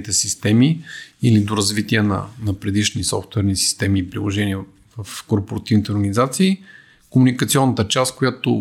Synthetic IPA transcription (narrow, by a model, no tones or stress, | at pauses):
it̪ɛsist̪ɛmiilid̪oɾɐzvit̪iɛnɐ̰nɐpɾɛd̪iʃnisɔ̰ft̪vɛɾnisi̥st̪ɛmiːpɾilˠoʒɛniə | vɐfkoɾpoɾɐt̪ivnit̪ɛoɾɡənʲizat̪siː | komunikət̪siɔnːət̪ət͡ʃast̪̚kojat̪o